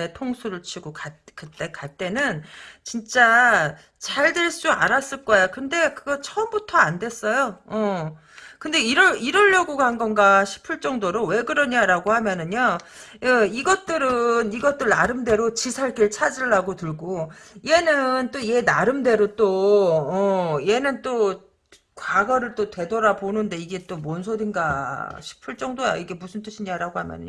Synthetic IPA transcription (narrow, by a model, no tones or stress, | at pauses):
etʰoŋsʰuɾɯɭt͡ɕʰiɡokakɯt͈e̞kat͈e̞nɯnt͡ɕint͡ɕ͈a | t͡ɕaɭdeɭs͈ua̰ɾas͈ɯɭk͈ʌjakɯnde̞kɯɡʌt͡ɕʰʌɯmbutʰʌande̞s͈ʌjoʌ | kɯnde̞iɾʌiɾʌʎːʌɡoɡanɡʌnɡaɕʰi̥pʰɯɭt͡ɕ͈ʌŋdoɾowe̞ɡɯɾʌɲaɾaɡohamjʌnɯɲa | ʌiɡʌt̚t͈ɯɾɯniɡʌt͈ɯɭnaɾɯmde̞ɾot͡ɕisʰaɭɡiɭt͡ɕʰad͡ʑiɭːaɡotɯɭɡoie̞nɯnt͈oie̞naɾɯmde̞ɾot͈oʌie̞nɯnt͈o | kwaɡʌɾɯɭt͈otwe̞dʌɾaponɯnde̞iɡe̞t͈omwʌnsʰodinɡaɕʰi̥pʰɯɭt͡ɕ͈ʌŋdoja̰iɡe̞musʰɯnt͈ɯɕʰiɲaɾaɡohamjʌ̰nɯ̰ɲo